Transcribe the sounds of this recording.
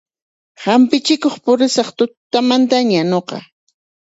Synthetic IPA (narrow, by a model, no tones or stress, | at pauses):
hampɪt͡ʃɪkoχpʊɾɪsɑχt̪ʊt̪amant̪aɲanoqɑ̰